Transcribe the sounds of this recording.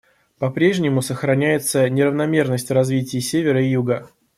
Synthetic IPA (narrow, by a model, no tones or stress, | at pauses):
pɐpɾʲe̞ʐnʲɪmʊsəxɾɐnʲæjɪt̪sənʲɪɾəvnɐmʲe̞rnəsʲtʲrɐzvʲitʲɪjsʲevʲɪɾəɪjuɡə